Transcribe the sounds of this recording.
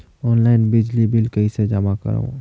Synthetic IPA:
ɔːnlaːɪnbɪd͡ʒlibɪlkəised͡ʒəmakə̰ɾõ̰ː

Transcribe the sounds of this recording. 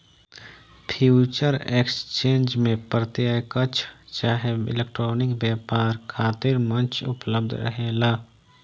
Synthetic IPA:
pʰjuːt͡ʃəɾeːkst͡ʃẽːnd͡ʒmẽpɾət̪jajkət͡ʃʰt͡ʃaːɦeɪ̰lek̚ʈɾoːnɪkbjaːpaːɾkʰaːt̪ɪɾmə̃nt͡ʃʊ̰pləb̚d̪ʱɾə̰ɦeːlaː

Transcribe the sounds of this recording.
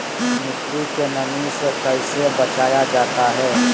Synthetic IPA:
mɪt̪ikenɐnisekɐɪsebɐt͡ʃaːjad͡ʒaːt̪aɦɛː

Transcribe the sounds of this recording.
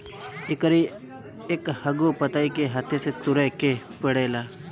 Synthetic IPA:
ɪkɾi | ekhəɡopət̪aːikeɦat̪ʰeset̪ʊɾeke | pəɽeːlaː

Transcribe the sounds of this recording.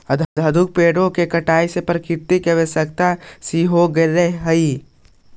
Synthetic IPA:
əd̪ʱəd̪ʱəd̪ʱʊk̚peːɽõkekəʈaːisepəɾkɪɾt̪ikeʋesəkt̪asiɦoɡəɾeɦɦəi

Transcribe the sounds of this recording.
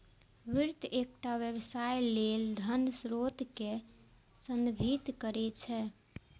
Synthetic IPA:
ʋiɾt̪ek̚ʈaʋjəβsajleld̪ʱənsɾot̪ke | sənbʱit̪kəɾɛt͡ʃʰɛ

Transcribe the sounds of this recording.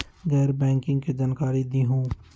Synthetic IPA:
ɡɛːɾbɛ̃ːŋkɪ̃ŋɡkid͡ʒaːnkaːɾid̪iɦũː

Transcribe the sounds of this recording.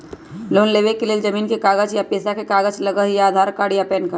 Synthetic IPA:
loːnleːʋekeled͡ʒɐmiːnkekaːɡəd͡ʒjapeːsakekaːɡət͡ʃlɐɡəɦjaːd̪ʱaːɾkaːɽijapɛːnkəɾ

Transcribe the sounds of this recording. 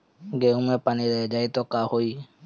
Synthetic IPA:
ɡeuŋepaniɾɛd͡ʒaɦit̪ɔkahoi

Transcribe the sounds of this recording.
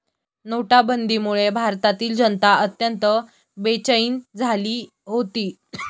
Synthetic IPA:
noʈabənd̪iːmuɭebʱaɾt̪at̪iːld͡ʑənt̪aət̪jənt̪ə | bet͡ɕəiːnd͡zʱaliː | ɦot̪iː

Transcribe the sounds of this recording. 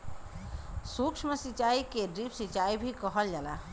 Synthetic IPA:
sukʃʰmesit͡ʃaikeɖɾipsit͡ʃaibʱikəɦəld͡ʒala̰

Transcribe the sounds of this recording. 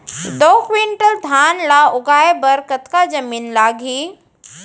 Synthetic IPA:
d̪oːkʰʋiɳʈəld̪ʱaːnlaʊɡaːebɐɾkɐt̪kad͡ʒɐmiːnlaːɡʱiː

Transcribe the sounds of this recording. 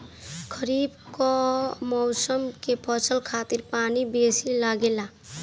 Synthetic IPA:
kʰəɾibkɔmɔwsəmkepʰɔsʰəlkʰat̪iɾpanibesilaɡela

